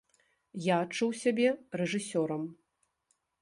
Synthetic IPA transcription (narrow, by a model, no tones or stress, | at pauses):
jaːt͡ʂuwsʲabʲɛrɛʐɨsʲɔɾɐm